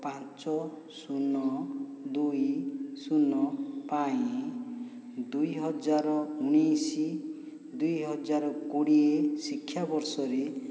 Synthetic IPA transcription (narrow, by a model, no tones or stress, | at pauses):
pãt͡ʃɔ | sunɔd̪ujsunɔpaĩ | d̪ujɦɔd͡ʒaɾɔunisi | d̪ujɦɔd͡ʒaɾɔkoɽiesikʰːjabɔɾsɔɾe